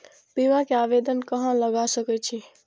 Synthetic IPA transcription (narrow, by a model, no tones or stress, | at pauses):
piʋakeabed̪ənkəɦə̃ləɡasəkɛt͡ʃʰi